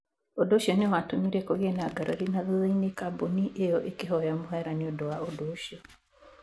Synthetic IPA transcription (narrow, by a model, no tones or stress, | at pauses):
odoʃiɔnewatomiɾekoɣenaɡaɾaɾinaðoðeinekaboniʔejɔʔekeɦɔjamoɦɛɾaniodowaodoʃiɔ